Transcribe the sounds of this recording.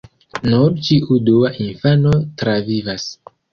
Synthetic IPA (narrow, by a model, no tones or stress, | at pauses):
nuɾt͡ʃiʔuduaʔinfano̞tɾavivas